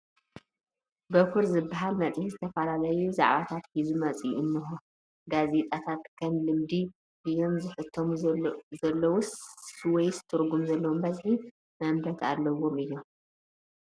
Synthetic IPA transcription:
bɐkʰʊɾzɨbːaɦalmɐt͡sʼihizɨt̪ʰɐfɐlalɐjuza̰ʕβat̪ʰat̪hizumɐt͡sʼijʔɨnːɨxu | ɡaze̞t̪ʼat̪ʰat̪kʰɐmlɨmd̪i | ɨjo̞mzɨħɨt̪ʰːomzɐlːɐwuswɔjst̪ʰɨɾɡumzɐlːɐwombɐzħi | mɐmb̪ɐt̪ʰa̰lːɐwomɨjːo̞m

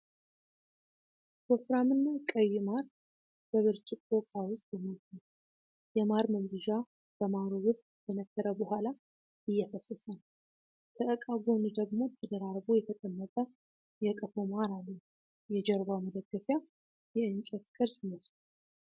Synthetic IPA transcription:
bofɾamɨnːakʼəjːɪmaɾ | b̥əβɨɾt͡ʃʼɪkʼokʼawʊst̪ʼjɛmot̪ːu | jɛmaɾməmzɨd͡ʒa | b̥əmaɾowʊst̪ʼb̪ʰənəkʰːəɾəbəɦʷala | ɨjːɛfəsːəsən | t̪ʰəʔəkʼaɡond̪əɡmo̞t̪ʰəd̪əɾaɾbojɛt̪ʰət̪ʼəmːət̪ʼə | jɛkʼəfomaɾalːə | jɛd͡ʒɛɾbaməd̪əɡəfja | jɛɨnt͡ʃʼɛt̪kʼɨɾsɪnːəsaa

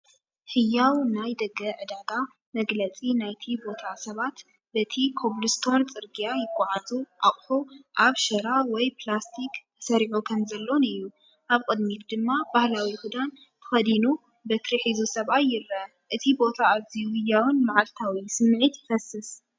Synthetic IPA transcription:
hɨjːawnajd̪ɐɡːɐʕɨd̪aɡ̪a | mɐɡlɐt͡sʼinajt̪ʰibo̞t̪ʰasɐβat̪ | bɐt̪ʰikʰo̞βlɨst̪ʰo̞nt͡sʼɨɾɡijajɪkʷʼːaʕazuʔaχʼħoʔaβʃɐɾawɔjpʰlast̪ʰik | sɐɾiʕukʰɐmzɐlːo̞nɨjːu | ʔaβkʼɨd̪mit̪d̪ɨmːabahlawihud̪an | t̪ʰɨ̥xɐd̪inu | bɐt̪ʰɾiħizusɐβajːɪɾɐ | ʔɨt̪ʰibo̞t̪ʰaːβzijuhɨjːawɨnmaʕalt̪ʰawisɨmːʕit̪jfɐsɨs

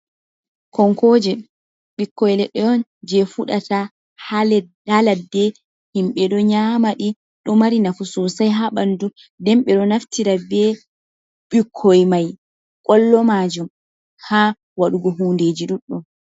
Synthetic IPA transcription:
kɔŋkɔd͡ʒɛ | ɓikːɔjlɛɗːɔjɔnd͡ʒɛfuɗata | halɛdaladːɛ | himɓɛɗɔɲamaɗi | ɗɔmaɾinafusɔsajɦaɓandu | dɛmɓɛɗɔnaftiɾabɛ | ɓikʰːɔjmaj | kʼɔlːɔmad͡ʒum | ha | waɗuɡɔɦunded͡ʒiɗuɗːɔm

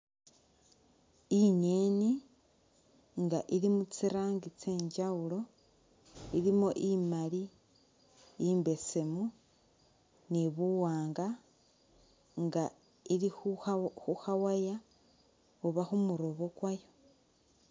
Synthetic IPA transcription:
iɲeni | ŋɡaʔiɾimut͡siɾaːŋɡit͡seːɲd͡ʒaulo̞ | iɾimuʔimali | mbe̞se̞mu | niβuwaːŋɡa | ŋɡa | iɾixuxawaja | oβaxumuɾo̞βo̞kwajo̞

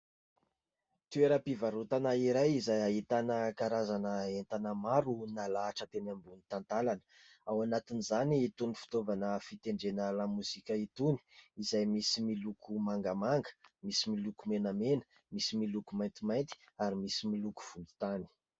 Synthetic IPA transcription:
t̪ueɾəpivaɾut̪anaiɾajizajaɦit̪anəkaɾazanəent̪anəmaɾunalaːʈ͡ʂət̪enambunit̪ant̪alanə̥ | awanat̪inizaniːt̪unifu̥t̪ovanəfit̪eɳɖ͡ʐenalamuzikʲəit̪uni̥izajmisimilukʰumaŋɡəmaŋɡə̥misimilukumenəmenə̥ | misimilukumajnt̪imajnt̪i̥aɾimisimiluku̥v̥und̪i̥t̪ani̥

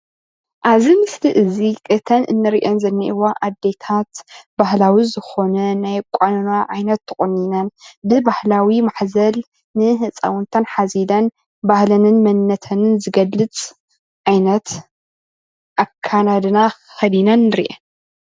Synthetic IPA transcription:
ʔaβzimɨsliʔɨzikʼɨt̪ʰɐnʔɨ̰nːɨɾiʔenzɐnːiʔiwaʔad̪ːe̞t̪ʰat̪bahlawizɨxo̞nɐnajkʷʼanɐnaʕajnɐt̪ʰːɐχʼonːinɐnbɨbahlawimaħzɐl | nɨɦɨt͡sʼa̰wʊnt̪ʰɐnħazilɐn | bahlɐnɨnmɐnːɐt̪ʰɐnɨnzɨɡɐlːɨt͡sʼ | ʕajnɐt̪ | ʔakʰːanad̪ɨna | xɐd̪inɐnːɨɾḭʔe

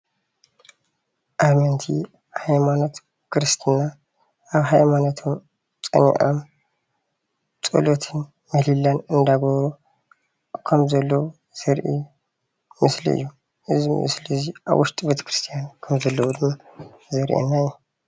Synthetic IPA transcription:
ʔamɐnt̪ʰi | hajmanot̪ | kʰɨɾɨst̪ʰina | ʔaβɦajmanot̪ʰom | t͡sʼɐ̰nḭʔa̰m | t͡sʼɨ̰lot̪ʰɨn | mɐlilːanɨnd̪aɡɐβɾu | kʰɐmzɐlːɐwu | z̥ɐɾʔḭ | mɨslḭɨ̰jːu | ʔɨziɨ̰ṵslɨziʔa̰βwʊʃt̪ʼbet̪ʰɐ̥kɾɨst̪ʰijankʰɐmzɐlːɐwud̪ɨmːa | zɐɾʔḛnːajːu

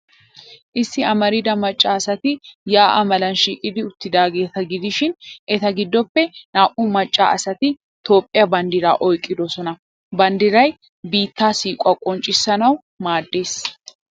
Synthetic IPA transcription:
ʔɪsːɪɐmɐɾɪd̪ɐmɐt͡ʃʼːaːɐsɐt̪ɪjaːʔɐmɐlɐnʃiːkʼɪd̪ɪʊt̪ːɪd̪aːɡe̞ːt̪ɐɡɪd̪ɪʃɪnʔɛt̪ɐɡɪd̪ːɔpːɛnaːʔumɐt͡ʃʼːa̰ːʔɐsɐt̪ɪ | t̪o̞ːpʼːɪjɐbɐnd̪ɪɾa̰ːʔɔjkʼːɪd̪ɔsɔnɐ | bɐnd̪ɪɾɐj | biːt̪ːaːsiːkʼːɐkʼɔnt͡ʃʼɪsːɐnɐw | maːd̪ːe̞ːs

